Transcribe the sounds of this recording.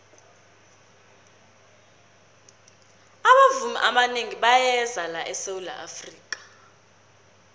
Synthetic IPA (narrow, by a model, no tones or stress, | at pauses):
aɓavumḭʔaɓaneŋiɓajɛzalaʔɛsewula̰ʔafriːk̬ʼḁ